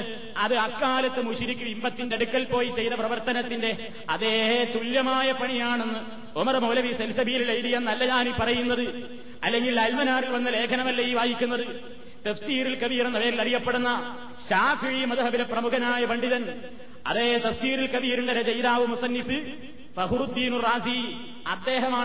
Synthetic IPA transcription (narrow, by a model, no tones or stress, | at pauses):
ɐðɨɐkːaːlɐt̪ːɨmuɕiɾikʲːuimbɐt̪ːindeɽukːɐlpo̞ːjit͡ɕe̞jðɐprɐʋɐrt̪ɐnɐt̪ːinde̞ | ɐðeːt̪uljɐmaːjɐpɐɳijaːɳe̞nːɨ | omɐrɐmoːlɐʋiselsɐbʱijililejɾijɐnɐlːɐɲaːnipːɐrɐjunːɐðɨ | ɐlːe̞ŋɡilɐlmɐnaːrilʋɐnːɐle̞ːkʰɐnɐmɐlːeiːʋaːjikʲːunːɐðɨ | t̪ɐfsiːɾilkɐʋijrenːɐʋeːɾilɐrijɐpːe̞ɽunːɐ | ɕaːfiɻimɐðɐɦɐʋiɾeprɐmukɐnaːjɐpɐɳɖiðɐn | ɐ̰ðeːt̪ɐfsiːɾilkɐʋiːɾuɳɖeɾɐd͡ʑɐjðaːʋɨmusɐnːifɨ | fɐɦuɾud̪ːiːnuraːsi | ɐd̪ːe̞ːɦɐmaː